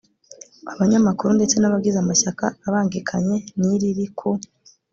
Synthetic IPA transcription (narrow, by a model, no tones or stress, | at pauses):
aβaɲamakuɾunde̞t͡se̞naβabɡizamaʃakaːβaːŋɡikʰaɲe̞niɾiɾikʰu